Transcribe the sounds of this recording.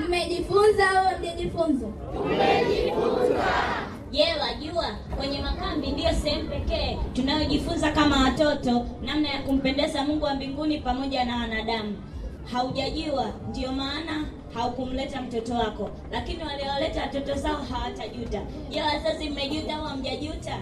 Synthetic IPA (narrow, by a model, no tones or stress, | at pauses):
m̩mɛʄifunzaɛn̩ɗɛʄifunza | mɛifuza | ʄɛwaʄua | kwɛɲɛmakambindijɔsɛhɛmupɛkɛtunajɔʄifunzakamawatɔtɔnamnajakum̩pɛndɛzamuŋɡuwambiŋɡunipamɔʄanawanaɗamu | hauʄaʄuandiɔmaːna | haukum̩lɛtam̩tɔtɔwakɔ | lakiniwaliɔwalɛtawatɔtɔzaɔɦawataʄuta | ʄɛwazazim̩mɛʄutawam̩ʄaʄuta